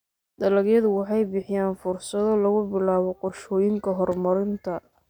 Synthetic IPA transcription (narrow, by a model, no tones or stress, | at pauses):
d̪ɐlɐɣjɐðʊwɑħɑjbɪħɪjaːnfʊrsɐðɔlɐɣʊbɪlaːβɔqɔrʃɔːjɪŋkʰɐɦɔrmɐɾɪnt̪ʰɐ